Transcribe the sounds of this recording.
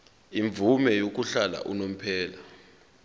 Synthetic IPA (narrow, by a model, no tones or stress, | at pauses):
iɱb̪vumɛjok̬uɬala̰ʔunom̩pʰɛːla